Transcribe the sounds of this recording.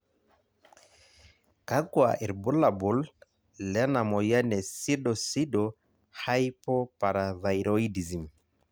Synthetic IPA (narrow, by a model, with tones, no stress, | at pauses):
ka˦kwa̰˨ʔi˨ɾbu˦la˨bu˨l | lɛ˦na˨mɔ˨ja˦nɛ˨si˦dɔ˨si˦dɔ˨ | ha˦jpɔ˦pa˨ɾa˨ða˨i˨ɾo˦i˦di˨zi˨m